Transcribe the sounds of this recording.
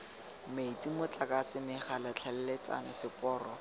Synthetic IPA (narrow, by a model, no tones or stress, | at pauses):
meit͡simʊt͡ɬʼakʼat͡sɪmɪχalat͡ɬʰalɛlet͡sa̰nɔsɪpʼɔːrɔ